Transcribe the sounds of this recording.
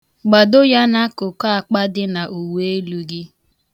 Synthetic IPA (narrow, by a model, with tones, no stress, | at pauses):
ɡ͡ba˨do˦ja˦na˦kʊ˨ka˦a˨k͡pa˦dɪ˦na˨ʔu˨we˦lu˨ɡɪ˦